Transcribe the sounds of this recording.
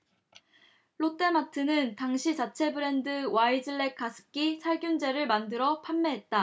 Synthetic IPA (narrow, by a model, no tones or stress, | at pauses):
ɭot͈e̞matʰɯnɯntaŋɕʰit͡ɕat͡ɕʰe̞bɯɾe̞ndɯwaid͡ʑɯɭːe̞kʰːasʰɯ̥k͈isʰaɭɡjund͡ʑe̞ɾɯɭmandɯɾʌpʰamːe̞ɦe̞t̚t͈a